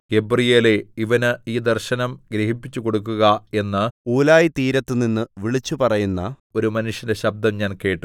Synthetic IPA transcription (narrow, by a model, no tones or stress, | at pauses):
ɡ̥e̞brijeːleiʋɐnɨiːd̪ɐrɕɐnɐmɡɾeɦipːit͡ɕːuko̞ɽukːuɣɐe̞nːɨuːlaːjit̪iːɾɐt̪ːɨninːɨʋiɭit͡ɕːupɐrɐjunːɐ̰ | o̞ɾumɐnuʂjɐndeɕɐb̚d̪ɐmɲaːnke̞ːʈːu